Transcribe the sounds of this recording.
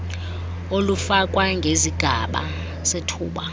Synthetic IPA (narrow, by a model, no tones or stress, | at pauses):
olufakʼwaŋɡʱeziɡ̥ʱaɓa̰ | setʰuːɓa